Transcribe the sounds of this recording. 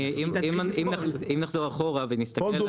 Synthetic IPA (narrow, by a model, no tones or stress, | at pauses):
imimimnaimnaχzo̞ʁaχo̞ʁavenist̪akel